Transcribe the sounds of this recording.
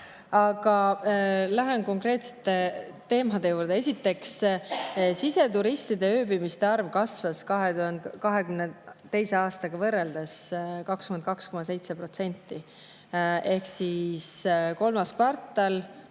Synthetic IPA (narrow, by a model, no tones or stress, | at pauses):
ɑɡ̥ɑ | læɦenko̞ŋkre̞ːt̪se̥t̪ːˑet̪e̞ːmɑd̪̥e̞juːɾd̪ee̞sʲit̪ːe̞ks | sise̞t̪uɾist̪id̪e̞øːbimist̪e̞ɑrvkɑsvɑskɑɦeuhɑnd̪kɑɦe̞kymnet̪ːe̞jse̞ɑːst̪ɑɡ̥ɑvɤrːeld̪̥eskɑkskymend̪̚kɑksko̞mɑse̞jt̪se̞pro̞t̪se̞nʲt̪ːˑi | e̞hksisko̞lmɑskvɑrt̪ːˑɑl